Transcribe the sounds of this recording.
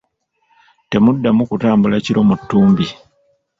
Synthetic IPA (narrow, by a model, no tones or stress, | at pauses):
te̞mudːamukutaːmbulaciɾo̞mutːuːmbi